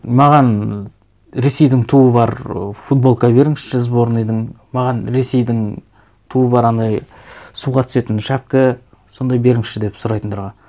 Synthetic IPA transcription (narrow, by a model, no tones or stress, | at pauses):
mɑʁɑn | ɾe̞se̞jd̪ɪŋt̪ʰuəbɑɾfut̪̚bo̞lˠkɑbe̞ɾɪŋʃɪ̥ʃɪzbo̞ɾənijd̪ɪŋ | mɑʁɑnɾe̞se̞jd̪ɪŋ | t̪ʰuəbɑɾɑnd̪ɑjsuʁɑt̪ʰʏ̥se̞t̪ɪnʃæp̚kʲɪ | so̞nd̪ɑjbe̞ɾɪŋʃɪd̪e̞psʊɾɑjt̪ənt̪ʰɾʁɑ